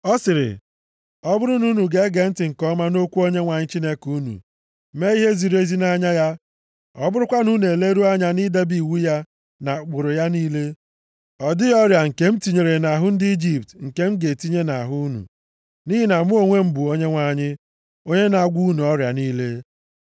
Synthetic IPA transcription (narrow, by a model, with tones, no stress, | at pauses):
ɔ˦sɪ˨ɾɪ̰˨ | ɔ˦bʊ˦ɾʊ˦nu˦nu˨ɡe˦ɡe˨n̩˦tɪ˨ŋ̩˨kɔ˦ma˦no˦kʷu˦o˦ɲe˦ŋʷa˨ɲɪ˦t͡ʃi˦ne˦ku˦nṵ˨˦ | me˦i˦ɦe˦zi˨ɾe˦zi˦na˦ɲa˦ja˦ | ɔ̰˦bʊ˦ɾʊ˦kʷa˦nu˦ne˨e˨le˦ɾu˦a˦ɲa˦ni˦de˦bi˨wu˦ja˦ | na˨k͡pʊ˨ɾʊ˨ja˦niː˦le˦ | ɔ˨dɪ˦ɔ˦ɾja˨ŋ̩˨ke˦m̩˦ti˨ɲe˨ɾe˨na˨ɦʊ˦n̩˦dɪ˦i˦d͡ʒi˨p̚tŋ̩˨ke˦m̩˦ɡe˨ti˦ɲe˦na˨ɦʊ˦nṵ˨ | ni˦ɦi˦na˨mu˦o˨ŋʷe˦m̩˦bu˨o˦ɲe˦ŋʷa˨ɲɪ˦ | o˦ɲe˦na˨ɡʷu˦u˦nu˨ɔ˦ɾja˨niː˦le˦